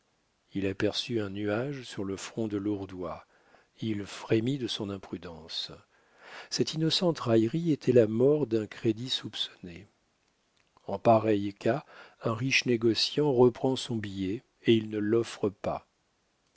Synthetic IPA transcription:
ilapɛʁsyɛ̃nyaʒsyʁləfχɔ̃d̪əluʁd̪wa | ilfχemid̪əsɔ̃nɛ̃pχyd̪ɑ̃s | sɛt̪inɔsɑ̃t̪ʁajʁiet̪ʰɛlamɔʁd̪ɛ̃kχed̪isupsɔ̥ne | ɑ̃paʁɛjkʰaɛ̃ʁiʃneɡɔsjɑ̃ʁəpχɑ̃sɔ̃bijɛ | eilnəlɔfχəpa̰

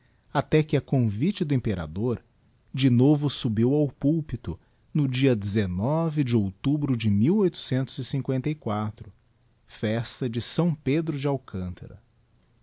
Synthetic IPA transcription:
at̪ɛkɪɐkõvit͡ʃɪd̪ʊẽmpeɾa̰d̪oɾ | d͡ʒɪnovʊsubiwawpuwpit̪ʊ | nʊd͡ʒiɐd͡ʒɪzenɔvɪd͡ʒɪowt̪ubɾʊd͡ʒɪmiwojt̪ʊ̥sẽnt̪ʊzɪsĩŋkwẽnt̪ɐikwat̪ɾʊ | fɛst̪ɐd͡ʒɪsɐ̃w̃ped̪ɾʊd͡ʒɪawkʰɐ̃nt̪ʰɐ̰ɾɐ̰

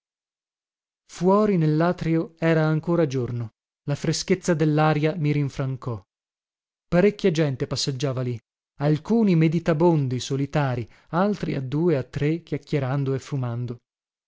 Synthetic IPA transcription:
fwɔːɾinelːaːt̪ɾioɛːɾaːŋkoːɾad͡ʒorno | lafɾesket̪sːad̪elːaːɾjamiɾiɱfɾaŋkɔ | paɾekʲːjad͡ʒɛnt̪epasːed͡ʒːaːvali | alkuːnimed̪it̪abond̪isolit̪aːɾi | alt̪ɾiad̪ːuːeat̪ːɾekjakːeɾand̪oefːumand̪o

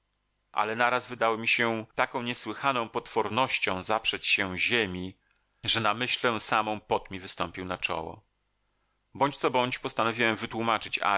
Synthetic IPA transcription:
ʔa̰lɛnaɾazvɘd̪awɔmʲiɕɛt̪akɔ̃w̃ɲɛswɘxanɔ̃w̃pɔt̪fɔɾnɔɕt͡ɕɔ̃w̃zapʂɛt͡ɕɕɛ̃ʑemʲi | ʐɛnamɘɕlɛsamɔ̃w̃pɔt̪mʲivɘst̪ɔmpʲiwnat͡ʂɔ̰wɔ̰ | bɔɲt͡ɕt̪sɔbɔɲt͡ɕpɔst̪anɔvʲiwɛmvɘt̪wumat͡ʂɘt͡ɕa̰

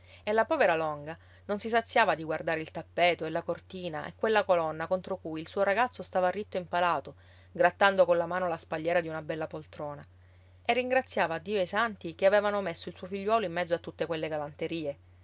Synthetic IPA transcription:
elːapɔːveɾalɔŋɡa | nonsisat̪sːjaːvad̪iɡward̪aːɾeilt̪apːeːt̪oelːakort̪iːnaʔḛkːwelːakolɔnːakont̪ɾokujilsuːoɾaɡat̪sːost̪aːvarːit̪ːoimpalaːt̪o | ɡɾat̪ːand̪okonlamaːnolaspaʎːɛːɾad̪iunabɛlːapolt̪ɾoːna | erːiŋɡɾat̪sːjaːvaːd̪ːiːoejsant̪ikeaveːvanomesːoilsuofiʎːwɔːloimːɛd̪zːoat̪ːut̪ːekwelːeɡalant̪eɾiːe

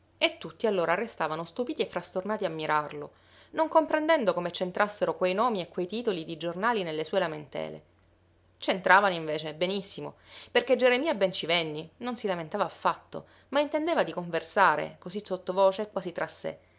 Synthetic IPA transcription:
et̪ːut̪ːialːoːɾarːest̪aːvanost̪upiːt̪iefːɾast̪ornaːt̪iamːiɾʔarlo | noŋkompɾend̪ɛnd̪okomet͡ʃent̪ɾʔasːeɾokwejnɔːmiekːwejt̪iːt̪olid̪id͡ʒornaːlinelːesuːelament̪ɛ̰ːlḛ | t͡ʃent̪ɾaːvanoiɱveːt͡ʃebenisːimoperked͡ʒeɾemiːabɛnt͡ʃivɛnːinonsilament̪aːvaːfːat̪ːo̰ | maint̪end̪eːvad̪ikoɱversaːɾḛkozisot̪ːovɔːt͡ʃekwaːsit̪ːɾʔasːḛ

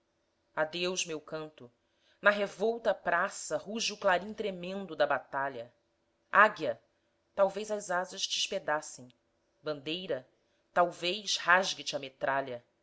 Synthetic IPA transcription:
ad̪ewʃmewkɐ̃nt̪ʊ | nɐɦevɔwt̪ɐpɾasɐhuʒuklaɾĩt̪ɾemẽnd̪ʊd̪ɐbat̪aʎɐ | aɡjɐ | t̪awvejzɐzazɐʃd͡ʒiʃped̪asẽj̃ | bɐ̃nd̪ejɾɐ | t̪awvejʃhaʒɡɪt͡ʃɪɐmet̪ɾaʎɐ

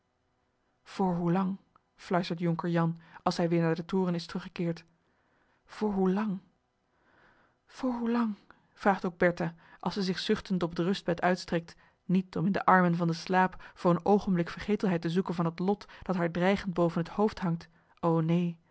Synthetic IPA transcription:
v̥ʊːɹɦulɑŋ | flœɥstəɹtjɔŋkəɹjɑnɑlˠsɦɛjʋɪːɹnaːɹdətʊːrənɪstrɵχə̥kɪːɹt | v̥ʊːɹɦulɑŋ | v̥ʊːɹɦulɑŋ | v̥raːχtoɡ̚bɛɹtaːʔɑ̰lˠsɛzɪχsʏχtəntɔbdərɵsd̚b̥ɛtœɥtstrɛk̚t | nitɔmɪndəʔɑɹmənvɑndəslaːpfʊːrənowχənblɪkfəɹχejtəlˠɦɛjtəzukənvɑnɦətlɔtd̥ɑtɦaːɹdrɛjχənd̚bowvənɦəthowftɦɑŋt | ownej

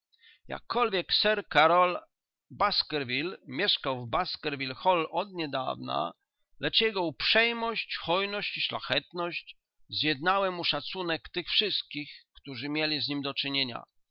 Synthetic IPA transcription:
ja̰kːɔlvʲjɛksɛɾkaɾɔl | baskɛɾvʲilmʲjɛʂkawvbaskɛɾvʲilxɔlɔd̪ɲɛd̪a̰vna̰ | lɛt͡ʂjɛɡɔupʂɛjmɔɕt͡ɕxɔjnɔɕt͡ɕiʂla̰xɛt̪nɔɕt͡ɕ | zjɛd̪nawɛmuʂat̪sunɛkt̪ɘxfʂɘst̪̚kʲixkt̪uʐɘmʲjelʲizɲimd̪ɔt͡ʂɘɲeɲa̰

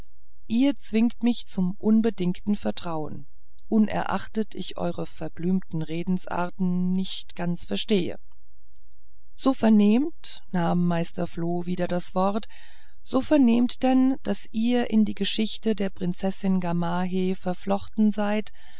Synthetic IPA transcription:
ʔiːɐt͡sv̥ɪŋktmɪçt͡sʊmʔʊnbədɪŋktn̩fɛɐtʁ̥aʊə̰n | ʔʊnʔɛ̰ɐʔa̰χtətʰɪ̰çʔɔ̰ʏʁəfɛɐblyːmtn̩ʁeːdn̩sʔa̰ɐtn̩nːɪçtɡ̥ant͡sfɛɐʃteːə̰ | z̥oːfɛɐneːmt | naːmːaɪstɐfloːviːdɐdasv̥ɔʁt | z̥oːfɛɐneːmtd̥ɛnd̥asʔiːɐʔɪndiːɡəʃɪçtədeːɐpʁ̥ɪnt͡sɛsɪnɡamaːɦefɛɐflɔχtn̩zaɪt

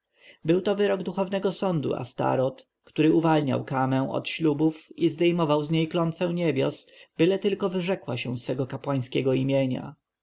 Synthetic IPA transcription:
bɘwt̪ɔvɘɾɔɡd̪uxɔvnɛɡɔsɔnd̪ṵʔa̰st̪a̰ɾɔt̪ | kt̪uɾɘuvalɲa̰wkamɛ̃w̃ɔ̰t̪ɕlubufizd̪ɛjmɔvawzɲejklɔnt̪fɛ̃w̃ɲebʲjɔ̰sbɘlɛt̪ɘlkɔvɘʐɛkwaɕɛ̰̃sfɛɡɔkapwaj̃skʲɛɡɔimʲjeɲa̰

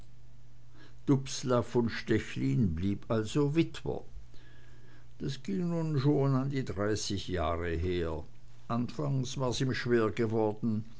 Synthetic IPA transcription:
d̥ʊpslafʊnʃtɛçliːnbliːpʔalzovɪtv̥ɐ̰ | d̥asɡ̥ɪŋnuːnʃoːnandiːdʁaɪsɪçjaːʁəɦeːɐ | ʔanfaŋsv̥aːɐsiːmʃv̥eːɐɡəvɔɐdn̩

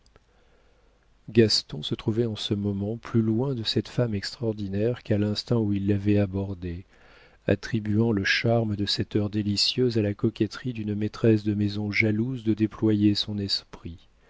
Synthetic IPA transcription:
ɡast̪ɔ̃sət̪χuvɛɑ̃səmɔmɑ̃plylwɛ̃d̪əsɛt̪famɛkst̪χɔʁd̪inɛʁkalɛ̃st̪ɑ̃uilːavɛabɔʁd̪e | a̰t̪χibyɑ̃ləʃaʁməd̪əsɛt̪œʁd̪elisjøzalakɔkʲɛt̪χid̪ynmet̪χɛsd̪əmezɔ̃ʒaluzd̪əd̪eplwajesɔ̃nɛspχi

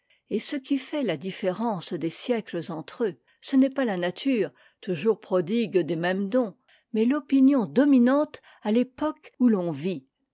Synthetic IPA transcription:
esəkʲifɛlad̪ifeʁɑ̃sd̪esjɛkləzɑ̃t̪χø | sənɛpalanat̪ʰyːʁ | t̪uʒuʁpχɔd̪iɡd̪emɛmd̪ɔ̃ | mɛlɔpinjɔ̃d̪ɔminɑ̃t̪ | alepɔkulɔ̃vi

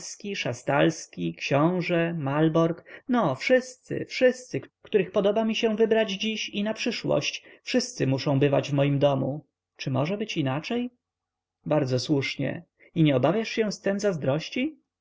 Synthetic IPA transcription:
skʲiʂast̪alskʲikɕɔ̃w̃ʐɛmalbɔɾknɔfʂɘst̪sɘ̰fʂɘst̪sɘkkt̪uɾɘxpɔd̪ɔbamʲiɕɛ̃vɘbɾad͡ʑd͡ʑiɕinapʂɘʂwɔ̰ɕt͡ɕfʂɘst̪sɘmuʂɔ̃w̃bɘva̰d͡ʑvmɔjimd̪ɔmu | t͡ʂɘmɔʐɛbɘt͡ɕinat͡ʂɛj | baɾd̪zɔswuʂɲɛ̰ | iɲɛɔbavʲjaʂɕɛ̃st̪ɛmzazd̪ɾɔɕt͡ɕi

